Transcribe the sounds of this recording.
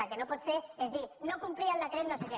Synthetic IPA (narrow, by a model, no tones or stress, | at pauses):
akenopot̪seezðinokumpɾiald̪ekɾet̪noseke